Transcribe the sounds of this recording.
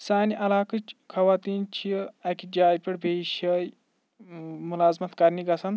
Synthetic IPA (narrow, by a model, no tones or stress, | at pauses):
saːniʔɐlaːkɨt͡ʃkʰɐʋaːt̪iːnt͡ʃʰiɐkid͡ʒaːjpʲiɽbʱeʃɐj | mulaːzmɐt̪kɐɾniɡɐsɐn